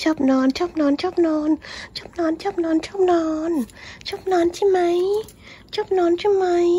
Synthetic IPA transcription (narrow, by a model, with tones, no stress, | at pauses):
t͡ɕɔ˧˦˥p̚nɔː˨˧˦nt͡ɕɔ˦˥p̚nɔː˨˦nt͡ɕʰɔ˦˥p̚nɔː˨˧˦nt͡ɕɔ˦˥p̚nɔː˨˧˦nt͡ɕʰɔ˦˥p̚nɔ˨˧˦nt͡ɕʰɔ˦˥p̚nɔː˧˦nt͡ɕɔ˦˥p̚nɔː˨˧˦nt͡ɕʰi˧˦ma˨˧˦j | t͡ɕɔ˦˥p̚nɔː˨˧nt͡ɕʰi˧˥ma˧˦j